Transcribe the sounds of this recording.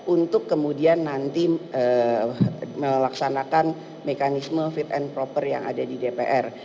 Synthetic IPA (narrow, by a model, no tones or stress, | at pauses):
unt̪ʊkːəmudianːant̪iə | məlaksanakan | mekanisməfit̪̚ɛnpɾopərja̰ŋa̰dadidepeʔɛr